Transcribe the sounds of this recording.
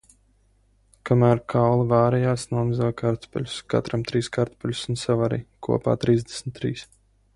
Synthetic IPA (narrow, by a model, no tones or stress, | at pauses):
kamæːɾkʰawlˠivaːɾɛjaːsnuɔmɨzakaɾt̪pɛ̰lʲuska̰t̪ɾamt̪ɾiːskaɾt̪pɛlʲusunsavaɾḭːkṵɔpa̰ːt̪ɾiːzd̪esmʲt̪ːɾḭːs